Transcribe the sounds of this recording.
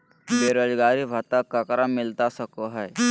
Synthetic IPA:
beɾod͡ʒɡaːɾibʱət̪əkːəkɾamɪlt̪asəkoɦɛe

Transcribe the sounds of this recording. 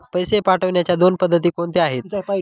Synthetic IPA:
pəjsepaʈʰəʋɳjat͡ɕjad̪onpəd̪ʱːət̪iːkoɳt̪eaɦet̪

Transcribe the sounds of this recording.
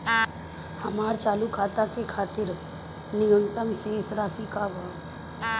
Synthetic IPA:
həmaːɾt͡ʃaːlukʰaːt̪akekʰaːt̪ɪɾ | nɪɡənt̪əmseːsɾaːsikaʋə

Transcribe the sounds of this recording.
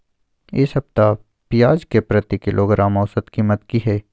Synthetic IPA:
ɪsɦɐbt̪a | pɪjaːd͡ʒkepɾɐt̪ikɪlʔoːɡɾʔaːmɔːsət̪kiːmət̪kiɦɛː

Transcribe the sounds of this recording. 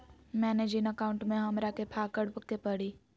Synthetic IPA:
mɛːned͡ʒɪnəkaːʊ̃ɳʈmẽɦɐmɾakepʰaːkəɽpəkt̪epɐɽiː

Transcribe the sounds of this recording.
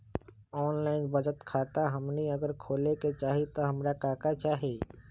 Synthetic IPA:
ɔːnlaːɪnbəd͡ʒət̪kʰaːt̪aɦɐmniɐɡəɾkʰoːleket͡ʃaːɦit̪oɦɐmɾakaːkat͡ʃaːɦeː

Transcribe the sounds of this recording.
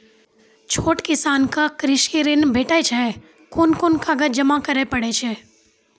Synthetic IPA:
t͡ʃʰoːʈkɪsaːnkakɾɪʃiɾɪnbʱeːʈat͡ʃʰɛ | koːnkonkaɡət̪̚d͡ʒɐmakɐɾepəɽet͡ʃʰɛː

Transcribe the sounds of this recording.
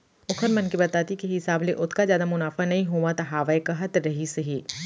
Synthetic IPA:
ʊkʰəɾmɐnkibɐt̪aːt̪ikeɦɪsaːbleʔʊt̪ʰkazjaːd̪amʊnaːfanɐɦĩɦoːʋat̪ɐɦaːʋaekɐɦɐt̪ɾɐɦisɐɦiː

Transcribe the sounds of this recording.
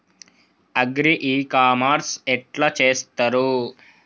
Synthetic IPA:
ɐɡɾiʔiːkaːmaɾsɛʈlɐt͡ʃeːst̪ɐɾu

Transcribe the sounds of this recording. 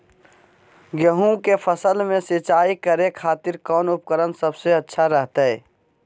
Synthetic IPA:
ɡjəɦũkepʰəsəlmẽsɪt͡ʃaːikəɾekʰaːt̪ɪɾkɔːnʊpkəɾənsəbseətːʃʰaɾəɦt̪aɛː

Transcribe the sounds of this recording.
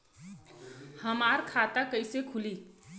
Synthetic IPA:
həmaɾkʰat̪akəɪsekʰuli

